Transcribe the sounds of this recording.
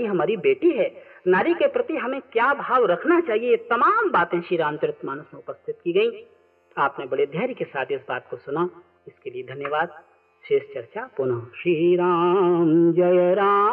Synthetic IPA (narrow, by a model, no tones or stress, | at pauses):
iɦɐmaːɾibeːʈiɦɛːnaːɾikepɾɐt̪iɦɐmẽkjaːbʱaːwɾɐkʰnat͡ʃaːɦiejet̪ɐmaːmbaːt̪ẽʃiːɾãːnt̪əɾɪt̪maːñʊsmẽʊpəst̪ʰɪt̪̚kiɡɐĩ | aːpnẽbɐɽed̪ʱjaːɾikesaːt̪ʰɪsbaːt̪kosʊna | ɪskelied̪ʱɐnjəʋaːd̪̚ | ʃeːʃt͡ʃɐɾt͡ʃapʊnaʃiɾaːnd͡ʒɐɾaː